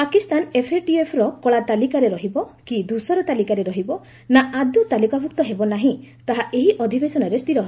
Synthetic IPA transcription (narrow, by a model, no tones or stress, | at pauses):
pakist̪anepʰeʈiepʰɾɔkɔɭat̪alikaɾeɾɔɦibɔkid̪ʱusɔɾɔt̪alikaɾeɾɔɦibɔ | naad̪ut̪alikabʱukt̪ɔɦebɔnaɦĩt̪aɦaʔeɦiʔɔd̪ʱibesɔnɔɾest̪iɾɔɦ